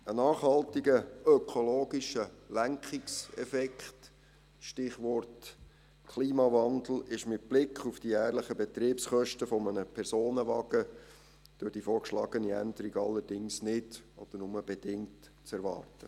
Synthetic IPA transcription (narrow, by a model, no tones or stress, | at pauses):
ənɑːχhɑltiɡəœkʰoloːɡiʃəlæŋkχiksɛ̰fɛkχt | ʃtɪχʋɔrt | kʰliːmɑvɑnd̪l̩ˠɪʃmɪt̚b̥lɪkʰχufd̥ijæːɾləχəbɛt̪ɾiːpsχœʃtəfɔmənəpʰɛrsoːnəʋɑɡ̥ə | d̥øːd̥ifɔːɾkʃlɑːɡəniæ̰nd̪əɾiɡɑlːəɾd̥ɪŋsnɪdɔ̰d̥əɾnʊməb̥ɛd̥ɪŋt | t͡sɛɾʋɑ̰ːɾtə